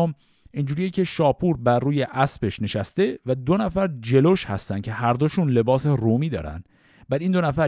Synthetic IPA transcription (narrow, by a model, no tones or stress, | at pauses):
om | ind͡ʒuːɾijecʰe̞ʃɒːpʰuɾbæɾruːje̞ʔæsbe̞ʃne̞ʃæst̪e̞væd̪o̞næfæɾd͡ʒe̞loʃhæ̰st̪æn̥̚cʰe̞ɦæɾd̪oʃunle̞bɒːseroːmiːd̪ɒ̰ːɾæ̰nd̪̥ | bæːd̪ind̪o̞næfæɾ